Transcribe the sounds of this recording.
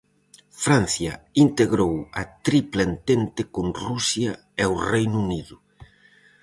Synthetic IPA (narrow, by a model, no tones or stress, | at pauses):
fɾan̟θjɐint̪eɣɾowɐt̪ɾiplent̪ent̪ɪkonrusja | ɛwrejnuniðʊ